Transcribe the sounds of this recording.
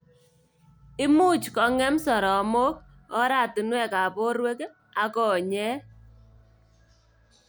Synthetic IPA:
ɪ˦mʊ˦˨t͡ʃkɔ˨ŋɛ˦msɔ˨ɾɔ˨˦mo˦k̚ | ɔ˦ɾa˦˨ti˨nwɛ˦˨ka˨po˦ɾwe˦k | a˨kɔ˨ɲɛ˦

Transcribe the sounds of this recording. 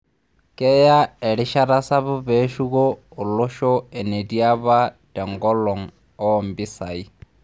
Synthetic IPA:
kʼɛ˦ja˦ɛ˨ɺɪ˦ʃa˦ɾa˦sa˦βʊ˦be˦ʃu˦koː˦˨lʊ˦ʃɔ˦ɛ˨ne˨di˦a˦βa˦dɛ˨ŋɡɔ˦lɔ˨ŋ̩ | ɔ˦mbi˦sa˨i˦

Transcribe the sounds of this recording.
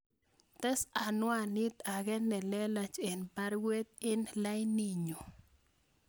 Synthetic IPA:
t̪ɛ˦sa˨nwa˦˨ni˦t̪a˨ɡɛ˦nːɛ˨lɛ˦la˧t͡ʃe˨npa˦ɾwe˦t̪ɪ˦nla˦jni˨ɲo˨

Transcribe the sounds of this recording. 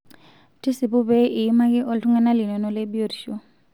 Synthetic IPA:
ti˦si˨bu˦bɛ˦ʔi˨˦ma˦ki˦ʔɔ˦ltu˦ŋɛ˦na˦li˨nɔ˨nɔ˦lɛ˦bi˦o˦˨ɾi˨ʃo˦˨

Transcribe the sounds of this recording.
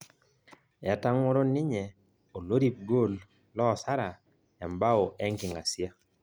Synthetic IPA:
ɛ˨ta˦ŋwɔ˦ɾo˦nɪ˦ɲɛ˨ | o˨lo˦ɾi˦˨p̚ɡo˦l | lɔ˦˨sa˦ɾa˨ | ɛ˨mba˦o˨ʔɛ˦ŋkɪ˨ŋa˨sja˦

